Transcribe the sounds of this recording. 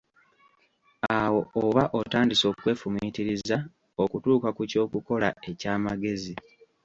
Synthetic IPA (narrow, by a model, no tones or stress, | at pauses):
awo̞oβaʔo̞taːndiso̞ːkwe̞ːfumiːtiɾiza | okutuːkakuco̞ːkuko̞lae̞caːmaɡe̞zi